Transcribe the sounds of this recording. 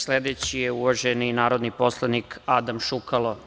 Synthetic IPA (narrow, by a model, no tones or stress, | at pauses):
sled̪et͡ɕijeuʋaʒeninaːɾod̪nipo̞slˠanikad̪amʃukalˠo